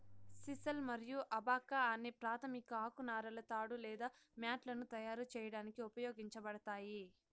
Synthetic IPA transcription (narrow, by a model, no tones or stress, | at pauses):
sisɐlmɐɾijuʔɐbaːkːaːnːepɾaːt̪ʰɐmikɐaːkunaːɾɐlɐt̪aːɽulɛːd̪aːmjaːʈlɐnut̪ɐjaːɾut͡ʃɛːjɐɽaːnikiupɐjoːɡiɲt͡ʃɐbɐɽɐt̪aːji